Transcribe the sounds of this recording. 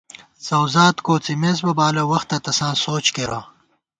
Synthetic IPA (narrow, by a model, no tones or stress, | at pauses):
sɐwzaːt̪koːt͡simeːs̬bɐbaːlɐwɐxt̪ːɐt̪ɐsãːsoːt͡ɕkeɾãː